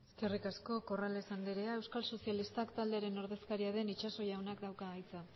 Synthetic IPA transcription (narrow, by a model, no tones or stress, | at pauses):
eske̞rikasko̞ko̞rale̞sand̪eɾeae̞wskalso̞sijalist̪akt̪ald̪e̞aɾe̞no̞ɾðe̞skaɾiað̞e̞nit͡ʃaso̞jawnakd̪awkaːjt͡sa